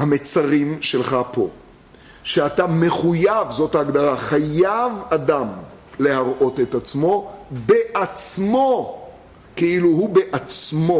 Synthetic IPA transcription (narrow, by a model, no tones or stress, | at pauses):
hame̞t͡saʁimʃe̞lχapʰo̞̰ | ʃeatame̞χujavzo̞taːɡd̪aʁaχajavad̪am | le̞ɦaʁʔo̞te̞t̪at͡smo̞be̞ʔat͡smo̞ | keiluhube̞ʔat͡smo̞